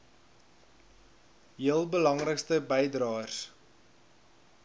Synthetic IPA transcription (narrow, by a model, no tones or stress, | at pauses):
ɦiəlˠbəlɐŋrəkstəbɛjdrɑːrs